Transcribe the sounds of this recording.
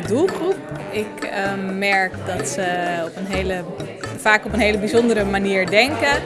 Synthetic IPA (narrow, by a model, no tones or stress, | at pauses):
dulˠχrup̚ɪkmɛɹkdɑtsəɔpənɦelə | faːkɔpənɦejləbizɔndəɾəmaniːɹdɛŋkə